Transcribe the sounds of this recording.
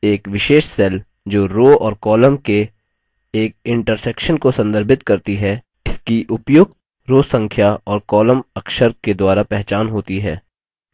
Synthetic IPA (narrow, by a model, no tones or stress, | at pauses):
eːkʋɪʃeːʃsɛl | d͡ʒoːɾoːɔːɾkɔːləmke | eːk̚ɪ̃ɳʈəɾsɛːkʃənkosɐ̃nd̪əɾbʱɪt̪kɐɾt̪iɦɛ | ɪskiʔʊpjʊk̚t̪ | ɾoːsɐ̃ŋkʰjaɔːɾkɔːləmɐkʃəɾked̪waːɾapɛɦt͡ʃaːnɦoːt̪iɦɛː